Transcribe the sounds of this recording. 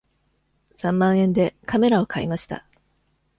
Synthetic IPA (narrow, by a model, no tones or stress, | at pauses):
sãmːãɰ̃ẽ̞nd̪e̞kame̞ɾao̞kʰaḭmaɕi̥t̪a̰